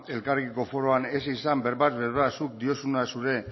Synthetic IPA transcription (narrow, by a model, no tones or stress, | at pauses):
e̞lkaɾɣiko̞fo̞ɾo̞ane̞sisambe̞ɾβazβeɾβasuk̚d̪io̞sunasuɾe̞